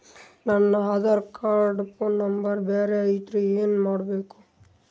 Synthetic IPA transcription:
nɐnːɐaːd̪aɾkaːɾɖpʰoːnːɐmbɐɾbeːɾeɐjt̪ɾueːnmaːɽbeːku̥

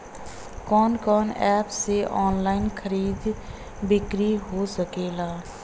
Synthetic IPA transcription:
kɔːnkɔːnɛːpseːʔɔːnlaːinkʰəɾiːd̪ | bɪkɾiːɦoːsəkeːlaː

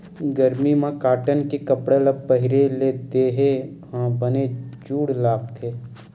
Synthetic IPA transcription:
ɡəɾmimãkaːʈənkekɐpɽelɐbpːəɦɪɾeleːd̪eɦe | ɦãbəned͡ʒuːɽlaːɡ̚t̪ʰeː

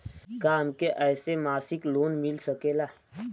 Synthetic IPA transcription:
kaːmkeʔɛːsemaːsɪkloːnmɪlsəkeːlaː

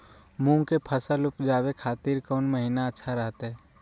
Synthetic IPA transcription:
mũkepʰəsəlʊpd͡ʒaːwekʰaːt̪iːɾkɔːnməɦinaətːʃʰaɾɛɦt̪ɦɛː

